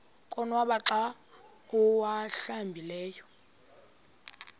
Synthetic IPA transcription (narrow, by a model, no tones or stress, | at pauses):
kʼɔnwaɓaǁa | kʼuwaɬambʱilɛːjɔ